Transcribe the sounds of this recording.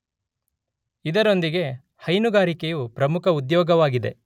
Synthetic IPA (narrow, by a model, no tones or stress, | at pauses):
id̪ɐɾo̞nd̪iɡe̞ | hɐjnuɡaːɾikejupɾɐmukʰɐud̪jɔːɡɐʋaːɡid̪e̞̰